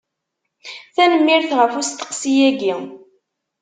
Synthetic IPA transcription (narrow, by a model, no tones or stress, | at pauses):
θænəmːiɾθʁəfust̪ːə̥qsijæɡi